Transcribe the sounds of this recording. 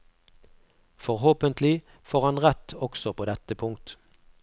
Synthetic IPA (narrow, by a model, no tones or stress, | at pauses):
fɔʁɦoːpənt̪lɪ | foːʁhɑnʁɛt̪ɔksɔpʰoːd̪ɛt̪ːəpʰʊŋk̚t̪